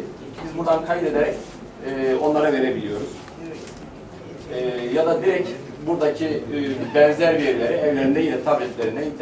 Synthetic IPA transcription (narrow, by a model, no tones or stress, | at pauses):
bizbuɾd̪ankʰajd̪e̞d̪eɾɛcː | o̞nlˠaɾave̞ɾe̞bilʲijo̞ɾuz̥ | ɛːjad̪ad̪iɾɛc | buɾd̪acʰibɛnzæɾvijeɾilʲe̞ɾiɛvlʲe̞ɾinɛilʲɛt̪ʰabɛt̪lʲeɾinɛint̪ʰː